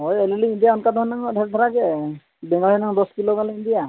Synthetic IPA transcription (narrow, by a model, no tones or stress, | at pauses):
ɦɔjɛliliindijaɔnkad̪ʱɔɦɔnːaŋdʰʱɛɾd̪ʰʱɔɾaɡɛ | bɛŋɡalɛnaŋd̪ɔskilɔɡaliindija